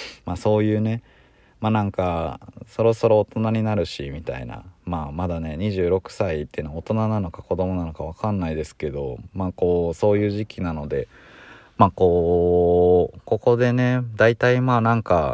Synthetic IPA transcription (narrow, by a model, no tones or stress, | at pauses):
maːso̞ːjɯ̟ːne̞ | maːnãŋkaso̞ɾo̞so̞ɾo̞ːt̪o̞naɲ̟inaɾɯ̟ɕimʲit̪a̰ḭna̰maːmad̪ane̞ɲ̟iʑɨːɾo̞kɯ̟̥sait̪ːeɯ̟noaot̪o̞nanano̞kako̞d̪o̞mo̞nano̞kaβ̞akanːaid̪e̞sɨ̥ke̞d̪o̞̰maːko̞ːso̞ːjɯ̟ːʑikʲinano̞d̪e̞ | maːko̞ː | ko̞ko̞d̪e̞ne̞d̪ait̪aimaːnãŋka